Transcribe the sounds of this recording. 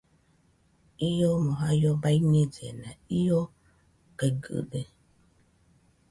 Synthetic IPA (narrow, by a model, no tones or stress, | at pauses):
ijomoɦajobaiɲed͡ʒenãijo | keɡɨ̰de